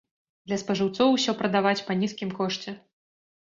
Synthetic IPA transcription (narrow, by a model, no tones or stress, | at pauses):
d̪lʲɐspɐʐɨwt̪sɔwusʲɔpɾɐd̪avat͡sʲpɐnʲiskʲimkɔʂt͡sʲɛ